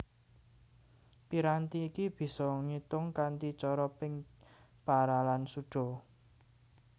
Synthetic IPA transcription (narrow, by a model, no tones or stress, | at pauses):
piɾant̪iːkib̥i̤sɔŋit̪ʊŋkant̪it͡ʃɔɾɔpɪŋ | paɾalansuɖ̥ɔ̤